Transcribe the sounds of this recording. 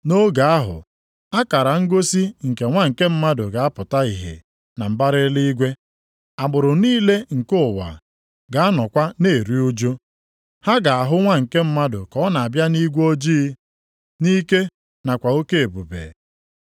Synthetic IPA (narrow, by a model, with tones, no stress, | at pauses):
no˦ɡa˨a˦ɦʊ̰˨ | a˦ka˨ɾa˨ŋ̩˦ɡo˦si˦ŋ̩˨ke˨ŋʷa˦ŋ̩˨ke˦m̩˦ma˦dʊ˨ɡa˨a˦pʊ˨ta˦i˨ɦḛ˨ | na˨m̩˨ba˦ɾɪ˦li˦i˦ɡʷe˦ | a˨ɡ͡bʊ˨ɾʊ˨niː˦le˦ŋ̩˨kʊ˦˨wa̰˨ | ɡa˨a˦nɔ˨kʷa˦ne˦˨ɾi˦u˦d͡ʒo˦ | ha˦ɡa˨a˨ɦʊ˦ŋʷa˦ŋ̩˨ke˦m̩˦ma˦dʊ̰˨kɔ˦na˨a˨bja˦ni˦ɡʷo˦d͡ʒiː˦ | ni˦ke˦ | na˨kʷa˨o˦ke˦e˨bu˨bḛː˨